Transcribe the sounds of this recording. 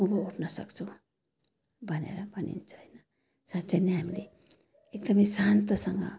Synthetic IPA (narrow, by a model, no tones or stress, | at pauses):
ubʌuʈʰnʌsʌ̰kt͡sʰu | bʱʌnḛɾʌbʱʌnḭnt͡sʰʌ̥ɦjnʌ | satːt͡sʰeneɦamile | ekd̪ʌmisant̪ʌsʌŋɡʌ̰